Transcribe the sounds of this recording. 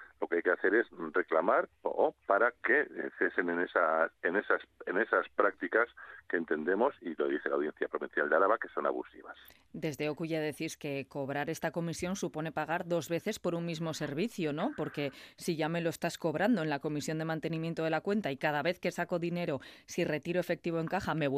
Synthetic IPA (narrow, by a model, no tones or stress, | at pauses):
lo̞keajkeaθe̞ɾe̞sre̞klamaɾo̰paɾake̞θe̞se̞nenesasenesasene̞saspɾak̚t̪ikaske̞ːnt̪e̞nd̪e̞mo̞siloðiθelawðje̞n̟θjapɾo̞βin̟θjald̪eaɾaβake̞so̞na̰βṵsḭβa̰s | d̪e̞zðe̞o̞kuʝaðe̞θiɾke̞ko̞βɾaɾe̞st̪ako̞misjo̞nsupo̞ne̞paɣ̞aɾðo̞zβe̞θe̞spo̞ɾunmizmo̞se̞ɾβiθjono̞po̞ɾke̞siʝame̞lo̞est̪asko̞βɾand̪oenlako̞misjo̞nd̪e̞mãnt̪e̞nimjnt̪o̞ð̞e̞lakwe̞nt̪aikað̞aβe̞θke̞sako̞ðine̞ɾo̞sire̞t̪iɾo̞e̞fe̞k̚t̪iβ̞o̞eŋkaxame̞